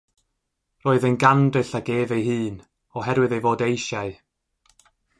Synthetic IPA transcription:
roːɨðənɡandɨɬaɡeːvejɦɨːn | ɔɦɛɾwɨðejvoːdejʃaɨ

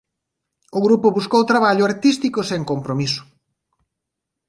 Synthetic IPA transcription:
oɣɾupʊβuskowt̪ɾaβaʎʊaɾt̪ist̪ikoseŋkompɾomisʊ̥

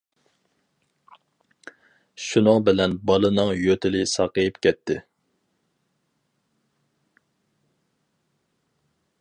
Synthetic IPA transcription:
ʃunɨŋbɪlɛnbɑlˠɨnɨŋjøt̪ʰɪlɪsɑqəjɪpkʲʰɛt̪ʰːɪ

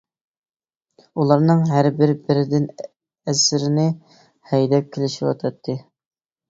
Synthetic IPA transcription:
ulˠɑɾnɨŋɦæɾbɪɾbɪɾɪd̪ɪn | æsɾɪnɪ | hɛjd̪ɛp̚kʲʰɪlɪʃiwɑ̰t̪ʰɑt̪ʰːɨ

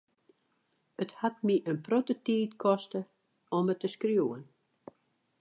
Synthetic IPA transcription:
əthatmiʔənprotətiːtkʰɔstə | ɔmətʰːəskrjuːən

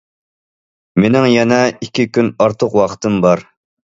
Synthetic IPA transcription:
menɪŋjɛnɛikʲikʲʰynɑɾt̪ʰəqwɑqʰt̪ʰɨmbɑɾ

